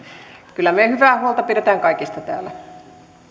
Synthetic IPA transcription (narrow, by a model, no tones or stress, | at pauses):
kylːˑæmehyʋæːhuolt̪ɑpiɾet̪æːŋkɑikist̪ɑt̪æ̰ːlæ